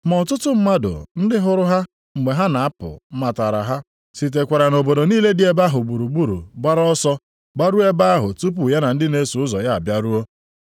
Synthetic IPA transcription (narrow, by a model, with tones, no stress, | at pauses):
mɔ˨tʊ˦tʊ˦m̩˦ma˦dʊ̰˨n̩˦dɪ˦ɦʊ˨ɾʊ˦ɦa˦ | ŋ͡m̩˨ɡ͡be˨ɦa˦na˨a˦pʊ̰˨m̩˦ma˨ta˨ɾa̰˨ɦa˦ | si˨t̬e˨kʷa˨ɾa˨no˨bo˨do˨niː˦le˦dɪ˦e˦ba˦ɦʊ˨ɡ͡bu˨ɾu˨ɡ͡bu˦ɾṵ˨ɡ͡ba˦ɾɔ˦sɔ˦ | ɡ͡ba˦ɾu˦e˦ba˦a˦ɦʊ˨tu˦p̬u˨ja˦na˨n̩˦dɪ˦ne˦su˨ʊ˦zɔ˨ja˦a˨bja˦ɾu˦o˦